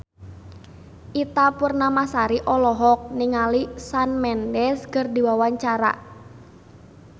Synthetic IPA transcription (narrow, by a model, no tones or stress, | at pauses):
ʔit̪apurnamasaɾiʔɔlɔɦɔk̚niŋalisanmɛndɛskərdi̤wawaɲt͡ʃaɾa̰